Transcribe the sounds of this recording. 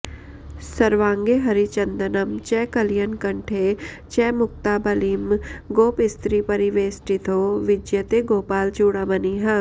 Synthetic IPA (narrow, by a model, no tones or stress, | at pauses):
sɐɾʋãːŋɡeɦɐɾit͡ʃɐnd̪ənɐmt͡ʃɛːkɐlijənkɐɳʈʰe | t͡ʃɛːmʊk̚t̪aːbɐliːmɡoːpɪst̪ɾipɐɾiʋeːsʈit̪ʰoːʋɪd͡ʒjɐt̪eɡoːpaːlt͡ʃuːɽaːbɐniɦɐ̃